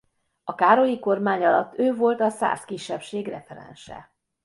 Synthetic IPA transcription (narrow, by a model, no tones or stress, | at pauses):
ɒkaːɾo̞liko̞rmaːɲɒlɒt̪ːøːvo̞lt̪ɒsa̰ːskiʃːɛpʃeːɡrɛfɛɾɛ̰nʃɛ̰